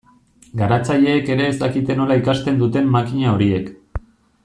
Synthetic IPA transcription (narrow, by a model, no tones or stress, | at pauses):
ɡaɾat͡saʎe̞ːke̞ɾe̞ːst̪akit̪e̞no̞laikast̪e̞nd̪ut̪e̞mːakiɲao̞ɾie̞k